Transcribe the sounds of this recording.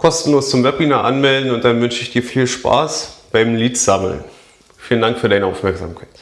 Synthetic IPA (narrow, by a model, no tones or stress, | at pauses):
kʰɔstn̩loːst͡sʊmvɛb̚inaʔa̰nmɛldn̩ʊntd̥anvʏnʃəɪçd̥iːɐfiːlʃpa̰ːsb̥aɪmliːtz̥aml̩̰n | fiːləndaŋkfyːɐdaɪnəaʊfmɛɐkz̥a̰ːmkʰaɪt